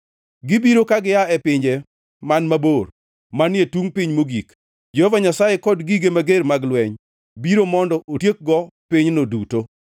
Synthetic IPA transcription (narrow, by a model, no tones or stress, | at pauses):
ɡɪbiɾokaɡɪjaɛpɪɲd͡ʒe | manmabor | manɪetuŋpɪɲmoɡik | d͡ʒɔhɔvaɲasajekɔdɡiɡemaɡermaɡlwɛɲ | biɾomɔndɔʔotjek̚ɡɔpɪɲnoduto